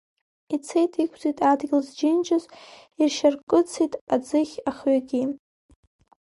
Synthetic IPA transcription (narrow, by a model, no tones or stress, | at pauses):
it͡sʰejtʼikʷʰzitʼadɡʲɪlzd͡ʒɪnt͡ʃʰʼɪz | irʃarkʼɨt͡sʰitʼad͡zɨχʲaχɥaɡʲi